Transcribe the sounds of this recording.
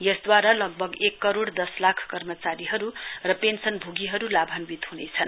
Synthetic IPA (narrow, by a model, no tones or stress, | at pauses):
jʌsd̪waɾalʌɡ̚bʱʌɡekːʌɾoɽd̪ʌslakʰkʌrmʌt͡saɾiɦʌɾurʌpensʌnbʱuɡiɦʌɾulabʱʌnbit̪ɦhunet͡sʰʌn